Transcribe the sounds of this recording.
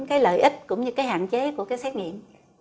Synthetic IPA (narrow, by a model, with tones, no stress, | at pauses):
nkaː˨˦jlə̰ː˧˨jʔi˦˥k̟̚kʊ̰˧˥ŋ͡mɲɨ˧kaː˨˦jɦa̰ː˧˨nt͡ɕe˨˦ku˧˩əkaː˨˦jsɛ˦˥t̚ŋḭ˧˨əm